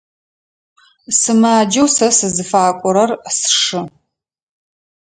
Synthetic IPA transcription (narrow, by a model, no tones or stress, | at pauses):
sɨmaːd͡ʒɐwsɐsɨzɨfaːkʷʼɔɾɐrsʂɨ